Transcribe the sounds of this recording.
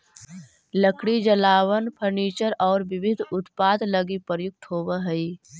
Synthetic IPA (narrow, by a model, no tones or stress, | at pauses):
ləkʰɽid͡ʒəlaːʋənpʰəɾniːt͡ʃəɾɔːɾʋɪbɪd̪ʱʊt̪paːd̪ləɡipəɾjʊk̚t̪ɦoːʋəɦəi